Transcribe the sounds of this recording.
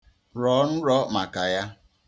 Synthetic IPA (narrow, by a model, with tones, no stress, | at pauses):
ɾɔ˨˦n̩˦ɾɔ˦ma˨ka˨ja˦